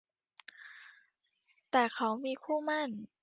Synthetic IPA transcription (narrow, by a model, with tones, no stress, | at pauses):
t̪ɛː˨˩kʰa˦˥wmiː˧kʰuː˥˩ma˥˩n